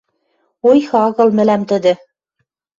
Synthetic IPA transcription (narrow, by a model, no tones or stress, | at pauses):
ojxɑɣɤ̆lˠmɘ̆læmt̪ɘ̆d̪ɘ̆